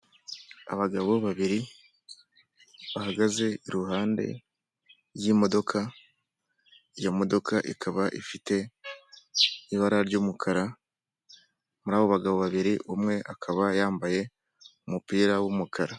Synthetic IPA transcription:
a̰βaɡaβo̞βaβiɾi | βahaɡaze̞iɾuɦaːnde̞̰ | jimo̞do̞kʰa | ijomo̞do̞kʰaʔikʰaβaʔifite̞ | iβaɾaɾɟuːmukʰaɾa | muɾaːβoβaɡaβoβaβiɾiumŋe̞ʔakʰaβajaːmbaje̞ | umupiːɾawumukʰaɾa

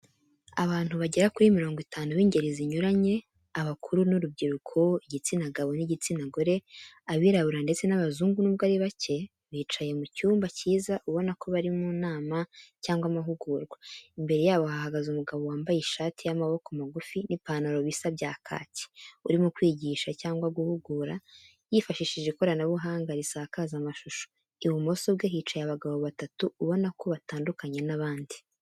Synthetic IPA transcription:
aβaːn̥huβaɟe̞ɾakuɾimiɾo̞ːŋɡwitʰaːnuβiːɲɟe̞ɾeziɲuɾaɲe̞ | aβakʰuɾunuɾub̚ɟiɾukʰoiɟit͡sinaɡaβo̞niɟit͡sinaɡo̞ɾe̞aβiːɾaβuɾande̞t͡se̞naβazuːŋɡunuβɡaɾiβace̞ | βiːt͡ʃaje̞mucuːmbaciːzaʔuβo̞nakʰo̞βaɾimunaːmacaːŋɡwamaɦuɡuːɾɡwaimbe̞ɾe̞jaːβo̞hahaɡazumuɡaβowaːmbajeʃaːtʰijamaβo̞komaɡufinipaːnaɾo̞βisabɟaːkʰa̰ːtʰi̥ṵɾimukwiːɟiʃacaːŋɡwaɡuhuɡuːɾa | jifaʃiːʃiʒeko̞ɾanaβuɦaːŋɡaɾisaːkaːzamaʃuʃo̥ | iwumo̞soβɡeɦiːt͡ʃajaβaɡaβoβatatuːβo̞nako̞βataːndukaɲe̞naβaːndi

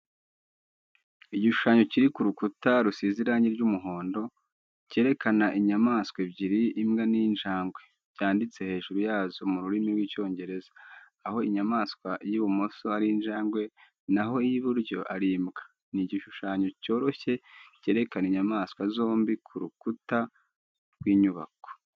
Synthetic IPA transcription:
iɟiʃuʃaɲo̞ciɾikuɾukutaɾusiziɾaɲiɾɟumuɦo̞ːndo̞ | ce̞ɾe̞kʰanaʔiɲamaːskwebɟiɾiːmɡaniːnʒaːŋɡwe̞ | bɟ̥aːndit͡se̞he̞ːʒuɾujaːzo̞muɾuɾimiɾɡwico̞ːɲɟe̞ɾe̞zḁː | ho̞iɲamaːskwajiβumo̞soaɾinʒaːŋɡwe̞ | naɦo̞iiβuɾɟo̞̰ʔaɾimɡḁ | niɟiʃuʃaːɲo̞co̞ːɾo̞çe̞ɟe̞ːɾe̞kaniɲamaskwazo̞ːmbikʰuɾukuta | ɾɡwiːɲuβa̰ko̥

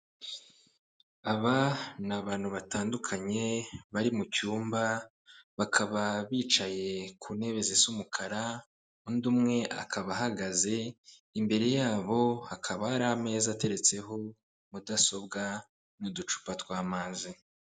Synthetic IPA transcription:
aβanaβaːnhuβataːndukʰaɲe̞βaɾimucuːmba | βakʰaβaβiːt͡ʃaje̞kʰune̞βe̞zesumukʰaɾa | undumŋe̞ʔa̰kʰaβaɦaɡaze̞ | imbe̞ɾe̞jaːβo̞akʰaβahaɾahame̞ːzate̞ɾe̞t͡se̞ɦo̞ | mudaso̞bɡa | nudut͡ʃu̥patwaːmaːzi

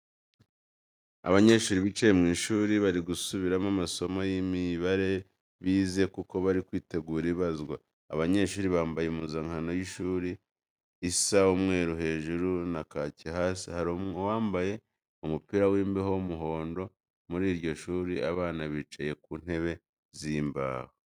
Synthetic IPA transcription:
a̰βaɲe̞ːʃuːɾiβit͡ʃejemŋiːʃuːɾiβaɾiɡusuβiɾamamaso̞mojimiβaɾe̞ | βiːze̞kuko̞βaɾikwiːte̞ɡuːɾiβazɡwa̰ː | βaɲe̞ːʃuːɾiβaːmbajemuzaŋhano̞jiʃuːɾiː | saumŋe̞ːɾuɦe̞ːʒuɾunakacihasihaɾomowaːmbaje̞ | umupiːɾawiːmbehomuɦo̞ːndo̞ | muɾiːɾɟo̞ʃuːɾḭa̰βaːnaβit͡ʃaje̞kuːn̥he̞βe̞ | ziːmba̰ːho

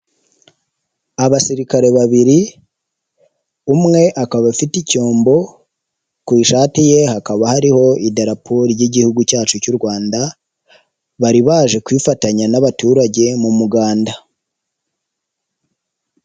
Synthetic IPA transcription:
aβasiɾikaɾe̞βaβiɾi | umŋe̞ʔakaβafitico̞ːmbo̞ | kwiːʃaːtije̞hakaβahaɾiho̞ideɾapʰoɾijiɟihuɡucaːt͡ʃucuɾɡwaːnda | βaɾiβaːʒe̞kwiːfataɲanaβatuːɾaɟe̞mumuɡaːnda

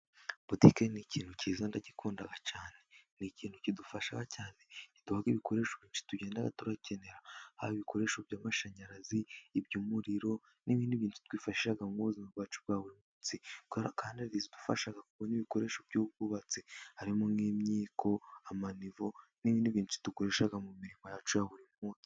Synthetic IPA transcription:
b̥utikeniciːn̥huciːzandaɟikuːndaɡacaːne̞niciːn̥hucidufaʃaɡacaːne̞cid̥uhaɡiβikʰo̞ɾe̞ʃoβiːnt͡ʃi̥tuɟe̞ːndaɡa̰tuɾace̞ne̞ɾaha̰βiβikʰo̞ɾe̞ʃobɟaːmaʃaɲaɾaziːbɟuːmuɾiɾo̞ | niβiːndiβiːntu̥twiːfaʃiʃaɡamɡuβuzimabɡaːt͡ʃub̚ɡaːβuɾimuːt͡sikaːndiaizidu̥fa̰ʃaɡakuɡoniβiko̞ɾe̞ːʃobɟuːbɡuβat͡sehaɾimoŋɡiːmɲiːkʰo̞amanivoniβiːndiβiːnut͡si̥tukoɾe̞ʃaɡamumiɾimo̞jat͡ʃujaβuɾimuːt͡si̥

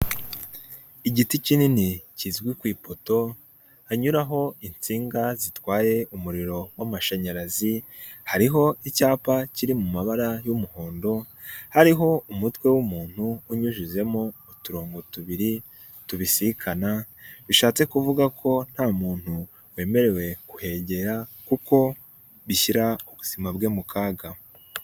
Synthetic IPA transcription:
iɟiticininicizɡwikwiːpoto̞ | aɲuɾaɦo̞int͡siːŋɡazitwaːje̞ʔumuɾiɾo̞wamaʃeɲaɾazi | haɾiɦo̞icaːpaciɾimumaβaɾajumuho̞ːndo̞ | haɾiɦo̞umutwe̞wumuːn̥huːɲuʒize̞moːtuɾoːŋɡotuβiɾi | tuβisiikʰana | βiʃaːt͡se̞kuvuɡakʰo̞n̥haːmuːn̥hu | we̞ːme̞ɾe̞we̞kuhe̞ɟe̞ɾakuko̞ | βiçiɾaoβuz̥imabɡe̞ːmukʰaːɡa

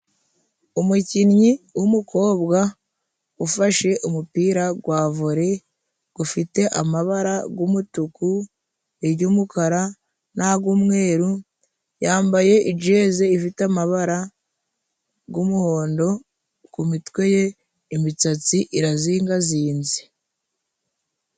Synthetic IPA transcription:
umucinɲiwumuko̞ːbɡa | ufaʃe̞ʔumupiːɾaɡwaːvoɾe̞ | ɡ̥ufite̞ʔamaβaɾaɡumutuku | eɾɟumukaɾa | naaɡumŋe̞ːɾu | jaːmbaje̞ʔid͡ʒe̞ze̞ifitamaβaɾa | ɡumuho̞ːndo̞ | kumitwe̞je̞ | imit͡sat͡siʔiɾaziːŋɡaziːnze̥

